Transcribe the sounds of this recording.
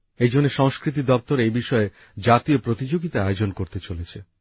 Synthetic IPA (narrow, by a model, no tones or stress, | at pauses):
ejd͡ʑonːeʃɔŋskɾit̪̬id̪ɔp̚t̪oɾejbiʃɔe | d͡ʑat̪iopɾot̪id͡ʑoɡit̪aaod͡ʑonkoɾt̪et͡ɕolet͡ɕʰe